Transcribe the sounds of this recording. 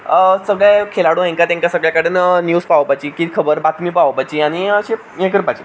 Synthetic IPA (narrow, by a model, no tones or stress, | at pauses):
səɡɭekʰelaɽũɦẽŋkat̪ẽŋkasəɡɭjakaɽ̤ənnjuːspaʋpajt͡ɕiːkit̪i̥kʰəbəɾbat̪miːpaʋpat͡ɕiːaɽ̃iəɕe | jẽkəɾpat͡ɕi